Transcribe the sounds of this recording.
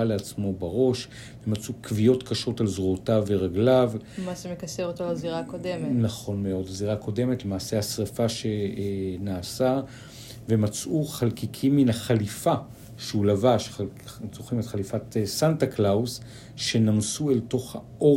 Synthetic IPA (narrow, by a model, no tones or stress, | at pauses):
aleat͡smo̞baʁo̞ʃ | vemat͡sukvijo̞tkaʃo̞talzʁuotaveʁaɡlavmasemekɐseʁot̪olaziʁakod̪emenaχo̞nme̞o̞dlaziʁako̞de̞metlemaːse̞hasʁefaʃe̞naːsa | ve̞mat͡suχalkikʰimːinhaχalifa | ʃeulavaʃzoχimetχalifatsantaklaus | ʃe̞namsuelto̞χha̰ʔo̞